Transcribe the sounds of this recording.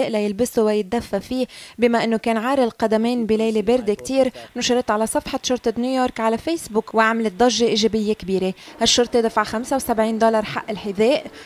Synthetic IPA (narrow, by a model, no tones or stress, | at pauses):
eːʔlajɪlbɪsuwajɪt̪̚d̪afːafiːbɪmaʔɪnːokeːnʕaːɾˤɪlqɑd̪ameːnbilejlebeɾd̪ekt̪iːɾnʊʃɪɾɪt̪ʕalasˤɑfħɑt̪ʃʊɾt̪ˤɑnjuːjoːɾˤkʕalafeːsbuːkwaʕmalɪt̪̚d̪ˤɑʒːeʔiːʒebɪjːekbiːɾehaʃːʊɾt̪ˤed̪afaʕxamsawsabʕiːnd̪olɑɾˤħa̰ʔːɪlħɪðeːʔ